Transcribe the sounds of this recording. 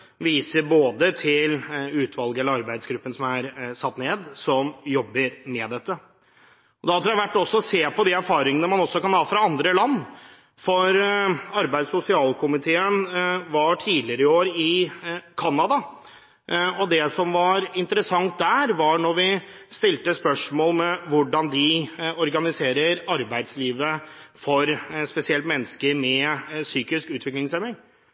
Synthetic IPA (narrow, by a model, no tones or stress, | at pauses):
ʋiːsəɾboːd̪ət̪ʰɪlʉːt̪ʰʋɑlˠɡəɛlːəɾɑɾbæɪd̪sɡɾʉpːənsɔmæɾsɑt̪ːneːd̪sɔmjɔbːəɾmɛːd̪ɛt̪ːə | ɔd̪ɛhɑt̪ʰɾæʋæʈːɔsːɔseːpɔd̪iæɾfɑːɾɪŋənəmɑnɔsːɔkɑnhɑːfɾɑɑnd̪ɾəlɑnː | fɔɾɑɾbæɪd̪sʊsɪɑːlkʰʊmɪt̪ʰeːənʋɑʈʰiːlɪəɾəɪoːɾɪkʰɑnːɑd̪ɑ | ɔd̪ɛsɔmʋɑɾɪnt̪əɾəsɑŋt̪̚d̪æːɾʋɑɳɔɾʋɪ | st̪ɪlt̪əspœʂmoːlmɛʋʊɖɑnd̪ɪɔɾɡɑnɪseːɾəɾɑɾbæɪd̪sliːʋəfɔɾspɛsɪɛlt̪mɛnːəskəɾmɛsyːkɪskʉːt̪ʰʋɪklɪŋsɛmɪŋ